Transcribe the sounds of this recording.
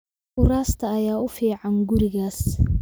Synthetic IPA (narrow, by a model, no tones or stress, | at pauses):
ʔʊɾaːst̪ʰɐːjaːʊfiːʕɑŋɡʊɾɪɣaːs